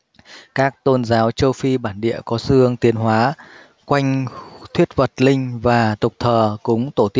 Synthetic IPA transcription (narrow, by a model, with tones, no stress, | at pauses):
kaː˦˥k̚t̪o˧nzaː˨˦wt͡ɕə˧wfi˧ɓaː˧˩nɗḭ˧˨əkɔ˨˦sɨ˧əŋt̪i˨˦ənɦwaː˨˦ | kwa˧jŋ̟t̪ʰwi˦˥ət̚və˨˩t̚lï˧ŋ̟vaː˨˩t̪ʊ˨˩k͡p̚t̪ʰəː˨˩kʊ̰˧˥ŋ͡mt̪o˧˩t̪i˦˥